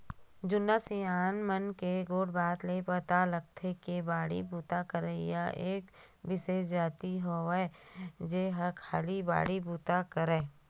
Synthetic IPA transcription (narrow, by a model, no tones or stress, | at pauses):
d͡ʒʊnːasiaːnmənkeɡoːɽbaːt̪lepət̪aləɡ̚t̪ʰekebaːɽḭbuːt̪akəɾeja̰ʔeːk | bɪsed͡ʒaːt̪iɦoʋed͡ʒeɦɐɾkʰa̰ːliba̰ːɽibuːt̪akəɾeː